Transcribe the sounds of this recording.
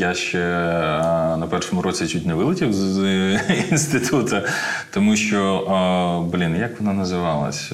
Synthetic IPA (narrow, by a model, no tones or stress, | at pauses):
jaʃt͡ʃɛ | nɐpɛrʃɔmʊɾʔɔt͡sʲit͡ʃutʲnʲɐʋɪlˠɪtʲiwz | iinst̪ɪt̪ut̪ɐt̪ɔmuʃt͡ʃɔ | blʲinjakʋɔnɑnɐzɪʋɑlˠɐ̰sʲ